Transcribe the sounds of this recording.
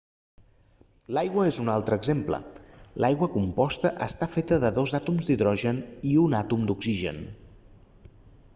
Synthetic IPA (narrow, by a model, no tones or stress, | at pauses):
lajɣwəezunalˠt̪ɾəːɡzemplə̰lʔajɣwəkumpɔst̪əʔəst̪afet̪əðəðozat̪umzd̪iðɾɔʒəniunat̪umd̪uksiʒə̰n